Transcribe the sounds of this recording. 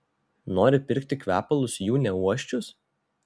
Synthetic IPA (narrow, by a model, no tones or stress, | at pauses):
noːɾʲɪpʲɪɾʲˑkt̪ʲɪkʲʋʲæːpɐlˠʊsjuːnʲɛuɔʃʲt͡ʃʲʊs